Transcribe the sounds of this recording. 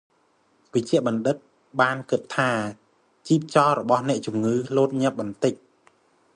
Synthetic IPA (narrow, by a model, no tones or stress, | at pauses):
ʋəc̚t͡ɕɛ̆əʔɓɑnɗɨt̪̚ | ɓaːnkɨt̪ʰːaː | t͡ɕiːp̚t͡ɕɑːɾɔɓɑhnɛ̆əʔt͡ɕumŋɨːloːt̪̚ɲɛ̆əp̚ɓɑnt̪ɨc̚